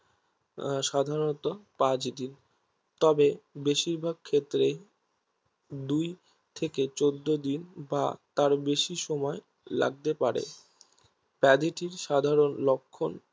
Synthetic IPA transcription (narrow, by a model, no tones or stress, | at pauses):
ʃad̪ʱaɾonot̪opãt͡ɕd̪in | t̪ɔbebeʃiɾbʱaɡ̚kʰet̪ːɾe | d̪uj | t̪ʰeket͡ɕod̪ːod̪inba̰t̪aɾbeʃiʃɔmɔe | la̰ɡ̚t̪epaɾḛ | pɛd̪eʈiɾʃad̪ʱaɾonlokʰːon